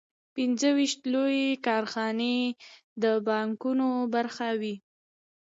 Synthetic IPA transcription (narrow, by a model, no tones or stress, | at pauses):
pinzəwiʃt̪lojekɑɾxɑne | d̪əbɑŋkunobaɾxawi